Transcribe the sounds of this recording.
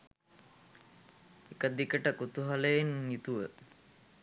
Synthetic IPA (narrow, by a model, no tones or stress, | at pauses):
ekəd̪ikəʈəkut̪uɦaləenːit̪uʋə